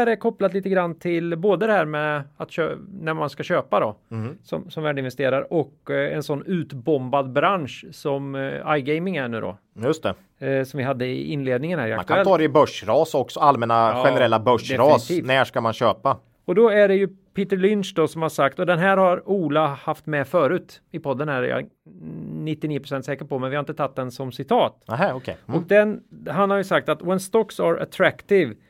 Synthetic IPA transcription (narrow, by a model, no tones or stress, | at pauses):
ɾɛkʰɔplat̪liːt̪əɡɾanːt̪ʰɪlboːd̪əd̪ɛɦæːɾmɛat̪ɕønæɾmanskaɕøːpad̪ɔ̰sɔ̰msɔmvæːɖɪnvɛst̪ḛːɾaɾɔkɛ̰nsɔnːʉ̟ːt̪bɔmbad̪bɾanʂsɔmajɡɛɪmɪŋæɳʉ̟ːd̪ɔ̰ | jɵst̪ɛ̰ | sɔmvɪɦad̪ːəɪ̰ɪnːleːd̪nɪŋənhæːɾɪa̰kak̪aɛlɑːɾɛɪbœʂɾɑːsɔksɔalmɛnaɧɛnɛɾɛlːabœʂd̪ɛɾɑːst̪iːnæːʂkamanɕøːpa | ɔd̪ɔæɖɛjɵ | pʰiːt̪əɭʏnʂd̪ɔsɔmhaʂakt̪ɔd̪ɛnɦæːɾhaɾuːlahaft̪mɛfœːɾʉ̟ːt̪ɪpʰɔd̪ːənæɾjɑ̰ | nɪt̪ːɪniːəpʰɾʊsɛnt̪sɛːkəʈpɔmɛnvɪhaɾɪnt̪ət̪ʰat̪̚ːd̪ɛnsɔmsɪt̪ʰɑːt̪ɦɛɔkʰɛɔk̚d̪ɛnɦanhaɾjɵsak̚t̪at̪wɛnst̪ɔksaɾa̰t̪ʰɾækt̪ɪv